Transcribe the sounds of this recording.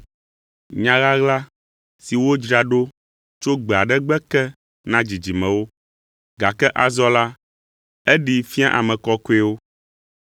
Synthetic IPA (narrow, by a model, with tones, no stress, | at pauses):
ɲã˨˦ɣa˦ɣla˦ | si˨wo˦d͡ʒɾa˨ɖo˦ | t͡ʃo˦ɡ͡bɛ˨a˨ɖɛ˦ɡ͡bɛ˦kɛ˦ | nã˦d͡ʑi˨d͡ʒi˨mɛ̃˨wo˦ | ɡa˨kɛ˦ʔa˨zɔ˦la˦ | ɛ˦ɖi˨fi˦a˦ʔa˨mɛ̃˨kɔ˦ko˦ɛ˦wo˦